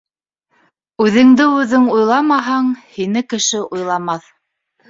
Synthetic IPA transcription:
ʉðɘ̆ŋd̪ɘʉðɘŋujlˠɑmɑɦɑɴhinɘkɘ̆ʃɘʔujlˠɑmɑθ

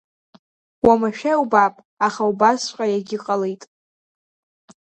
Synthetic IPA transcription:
wamaʃᶣawbapʼ | aχaubasqʲʷʼajaɡʲɪqʼalejtʼ

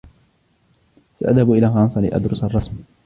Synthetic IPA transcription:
saʔaðhabʔɪlaːxɑnsˤɑlɪ̰ʔa̰d̪ɾʊsɑrˤːɑsm

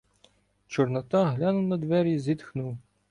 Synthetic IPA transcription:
t͡ʃɔrnɐt̪ɑɦlʲɑnʊwnɐd̪ʋɛɾʲizʲit̪xnuw

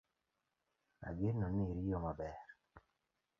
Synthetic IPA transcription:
a̰ɡɪnɔniɾijomabɛr

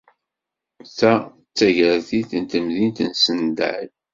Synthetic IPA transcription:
θæ | t͡sːæʝɾθiθənt̪əmðint̪ənsənd̪ə̰ʕl

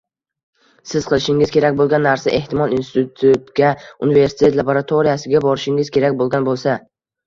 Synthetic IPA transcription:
sɪz̥qʰɨlˠɪʃɪŋɪzkʲʰe̞ɾakʲbolˠɡʲanːaɾsaʔe̞ht̪ɪmɒlˠinsɪt̪ʊt̪ʰut̪ɡʲaʊnɪve̞ɾsɪ̥t̪ʰe̞t̪lˠaboɾat̪ʰoɾijasɪɡʲabɒɾɪʃɪŋɪz̥kʲʰe̞ɾakʲbolˠɡʲanbolˠsa

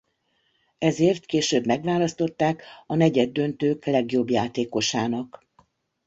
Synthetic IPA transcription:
ɛzeːrt̪keːʃøːbmɛɡʋaːlɒst̪o̞t̪ːaːkɒnɛɟɛd̪ːø̞nt̪øːklɛɡjo̞bjaːt̪eːko̞ʃaːnɒk

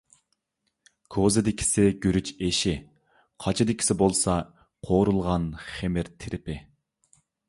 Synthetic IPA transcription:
kʰozɪd̪ɪkʲʰi̥sɪɡʲyɾyt͡ʃeʃɪ | qʰɑt͡ʃʰid̪ɪkʲi̥sɪbolˠsɑ | qʰoɾulˠʁɑnχemɪɾt̪ʰɪɾʔɪpɪ

